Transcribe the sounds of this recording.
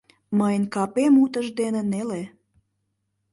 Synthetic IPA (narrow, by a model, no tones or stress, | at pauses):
məjənkɑpemut̪əʒd̪enĕnele